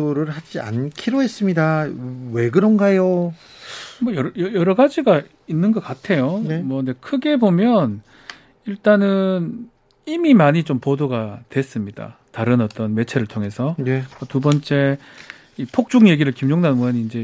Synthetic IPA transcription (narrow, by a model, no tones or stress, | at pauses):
oɾɯɭhad͡ʑia̰nkʰiɾoɦe̞s͈ɯmɲidawe̞ɡɯɾʌnɡajo | mʌjʌɾjʌjʌɾʌɡad͡ʑiɡa | inːɯnɡʌk͈atʰe̞jomwʌɯnde̞kʰɯɡe̞bomjʌn | iɭt͈anɯn | imimaɲit͡ɕompodoɡatwe̞s͈ɯmɲida̰ | taɾɯnʌt͈ʌnme̞t͡ɕʰe̞ɾɯɭtʰoŋɦe̞sʰʌmʌtubʌnt͡ɕ͈e̞ | ipʰok̚t͡ɕ͈uŋje̞ɡiɾɯɭkimd͡ʑoŋnanmoʌniːnd͡ʑe